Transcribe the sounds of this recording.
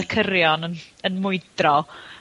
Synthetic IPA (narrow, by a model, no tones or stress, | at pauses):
kʰəɾjɔnənənmʊɨdrɔ